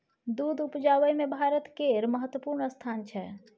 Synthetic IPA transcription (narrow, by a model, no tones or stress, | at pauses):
d̪ud̪upd͡ʒaʋəjmebʱaɾət̪keɾməɦət̪wəpuɾnəst̪ʰant͡ʃʰɛ